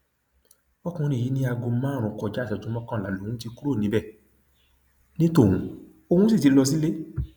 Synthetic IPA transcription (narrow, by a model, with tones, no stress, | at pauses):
ɔ˦kũ˧ñĩ˦˨i˨˦nĩ˧˦a˧ɡo˧˦mãː˦˨ɾ̃ũ˧kɔ˨d͡ʒa˨˦˨sɛ˨tũ˨˦mɔ̃˦kã˦˨la˨lo˨ũ˦ti˧ku˦ɾo˦˨nĩ˨˦bɛ˦˨ | nĩ˦to˦˨ũ˨˦ | o˧hũ˦si˦˨ti˧˦lɔ˧s̬i˦le˦